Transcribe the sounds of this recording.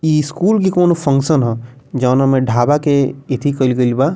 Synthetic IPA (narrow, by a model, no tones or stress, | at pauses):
iskuːlk̬ikoːnopʰə̃ŋksənɦɛ̃ | d͡ʒɔːnɐmẽɖʱaːbakeet̪ʰikəlɡəlbaː